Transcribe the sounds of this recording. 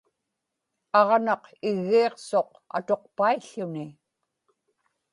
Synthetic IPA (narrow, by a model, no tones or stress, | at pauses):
ɑʁnɑqɪɣːiːqso̞q | a̰t̪o̞q̚paiɬːʊni